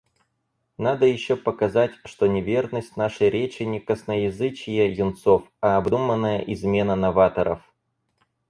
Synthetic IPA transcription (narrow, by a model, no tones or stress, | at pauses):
nad̪əjɪɕːopəkɐzatʲʂt̪onʲɪvʲe̞rnəsʲtʲnaʂəjɾʲet͡ɕɪnʲɪkəsnəjɪzɨt͡ɕɪjəjʊnt̪so̞fɐːbd̪umənːəjəʔɪzmʲe̞nənɐvat̪əɾə̰f